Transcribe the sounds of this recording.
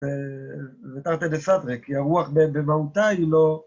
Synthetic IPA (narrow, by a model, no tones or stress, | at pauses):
e | vet̪aʁt̪elesat̪ʁekiaʁuaχbebemaut̪ailo